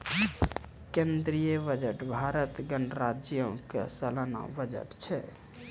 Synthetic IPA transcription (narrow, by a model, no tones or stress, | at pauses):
kẽnd̪ɾijəbəd͡ʒəʈbʱaɾət̪ɡəɳɖɾad͡ʒjə̃kḛsəlana̰bəd͡ʒə̰ʈt͡ʃʰɛ